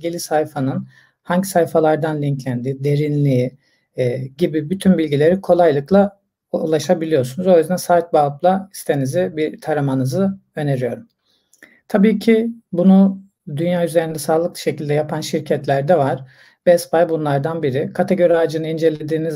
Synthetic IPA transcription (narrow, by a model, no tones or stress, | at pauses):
ɡilʲisajfanɯn | haɲɟsajfalˠaɾd̪anlʲiɲclʲænd̪iːd̪e̞ɾinlʲi | ɟibibyt̪ʰynbilʲɟilʲe̞ɾikʰo̞lˠajlˠɯklˠa | ṵlˠaʃabilʲijo̞ɾsunuzojøzd̪ɛnsaːt̪̚baːplˠai̥st̪ʰe̞nizɪbit̪ʰaɾamanɯzɯø̞ne̞ɾyjo̞ɾum | t̪ʰabiːcʰibunu | d̪ynjaːyzeɾind̪ɛsaːlˠɯk̚lˠɯ̥ʃe̞cilʲd̪ɛjapʰanʃiɾcʰɛt̪lʲæɾd̪ɛvaɾ̥ | bɛspajbunlˠaɾd̪anbiɾikʰat̪ʰeɟo̞ɾad͡ʒɯnɯnind͡ʒe̞lʲe̞d̪iːniz